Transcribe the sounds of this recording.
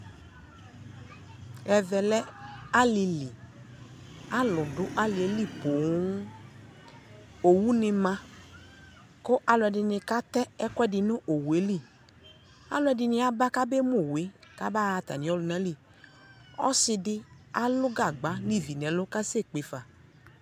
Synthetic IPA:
ɛ˧vɛ˧lɛ˦a˦li˧li˨ | a˦lʊ˨dʊ˨˦ʔa˦li˨e˨˦li˦˨po˨˦ | o˨wu˦nɪ˧mã˧ | kʊ˦ʔa˧lʊ˧ɛ˧dɪ˧nɪ̃˧ka˦t̪ɛ˦ɛ˦kɛ˦˨dɪ˧nʊ̃˦ʔo˨we˨˦li˦˨ | a̰˦lʊ˧˦ɛ˧dɪ˧nɪ̃˧a˦ba˦ka˦be˦mo˦˨we˨˦ka˦ba˦a˧t̪a̰˨nĩ˨˦ɔ˦lʊ˧nã˨˦li˦˨ | ɔ̰˦sɪ˧dɪ˦ | a˦lʊ˦ɡa˦˨ɡ͡ba˨˦ni˦˨vi˨nɛ˨˦lʊ˦ka˦se˦˨k͡pe˨fa˨

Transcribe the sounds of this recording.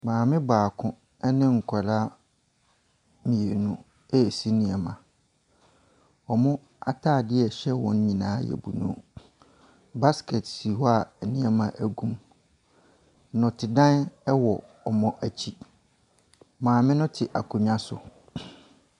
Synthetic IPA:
mãː˨mɪ̃˦baː˨kʰʊ̃˦ | ɛ˦nɪ̃˦ŋ̩˨kʰa˨la˦ | mĩ˨e˨nũ˦ | ɛ˦˨si˦nĩ˨ɛ˨mã˨ | ɔ˨mʊ̃˦ | a̰˦tʰaː˦˨dɪ˦ɛ˨ɕɛ˦wɔ̃˦n˦ɲĩ˨nãː˨˦jɛ̰˨bu˨nṵ̃˦ | ba˦skʰɛ˨tsi˨hɔ˦a˨ɛ˨nĩ˦ɛ˦mã˨ʔæ˨ɡũ˦m˦ | nʊ̃˨tʰɪ˨dã˦nɛ˦wɔ˨ | ɔ˨mɔ̃˦ʔæ˨t͡ɕʰi˦ | mãː˨mɪ̃˦nʊ̃˦tʰɪ˨ʔa˨kʰũ˨ɲ˦ã˦sʊ̰˨

